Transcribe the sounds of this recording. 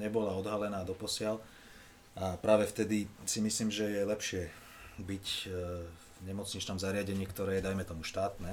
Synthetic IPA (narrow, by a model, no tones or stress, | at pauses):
ɲɛbɔlaɔd̪ɦalɛnaːd̪ɔpɔsɪal | ʔapɾaːʋɛft̪ɛd̪isimisliːmʒɛjɛlɛpʃɪɛ | bic | ɲɛmɔt͡sɲit͡ʃnamzaɾɪaɟɛɲɪiːkt̪ɔɾɛːjɛd̪ajmɛt̪ɔmuʃt̪aːt̪nɛː